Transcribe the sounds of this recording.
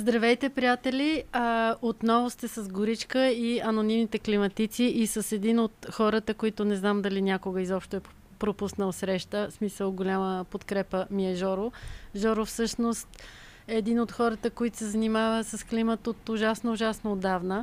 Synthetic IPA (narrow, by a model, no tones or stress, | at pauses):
zd̪ɾɐvɛjt̪ɛpɾijat̪ɛlʲiəot̪nɔvʊst̪ɛsəzɡʊɾit͡ʃkəiɐnonimnit̪ɛklimɐt̪it̪siʔisəsɛd̪inot̪xɔɾət̪əkoit̪ʊnɛznamd̪ɐlinʲakoɡəizɔpʃt̪oɛ | pɾopusnəlˠsɾɛʃt̪əsmisəlˠɡolʲaməpot̪kɾɛpəmiɛʒɔɾʊʒɔɾʊfsɤʃnost̪ | ɛːd̪inot̪xɔɾət̪əkoit̪ʊ̥sɛzɐnimavəsəsklimət̪ot̪ʊʒasnoʊʒasnood̪ːavnə